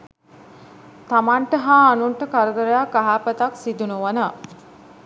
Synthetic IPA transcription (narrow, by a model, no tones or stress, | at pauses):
t̪amaɳʈəɦaːnuɳʈəkaɾəd̪əɾəjakːaɦaːpət̪aksid̪unuʋənə